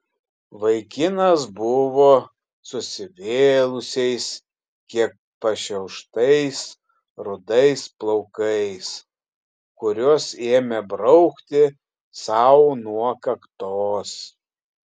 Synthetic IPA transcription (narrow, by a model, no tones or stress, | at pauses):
ʋɐɪkʲɪnɐs̬bʊʋoː | sʊsʲɪʋʲeːlˠʊsʲɛɪs | kʲiɛk̚pɐʃʲɛʊʃt̪ɐɪs | ɾʊd̪ɐɪsplˠɔʊkɐɪs | kʊɾʲoːseːmʲɛbɾɐʊkt̪ʲɪ | sɑʊnuɔkɐkt̪oːs